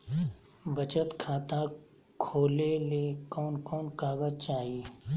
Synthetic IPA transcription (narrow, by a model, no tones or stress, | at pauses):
bɐt͡ʃət̪kʰaːt̪a | kʰoːlelekɔːnkɔːnkaːɡəzt͡ʃaːɦi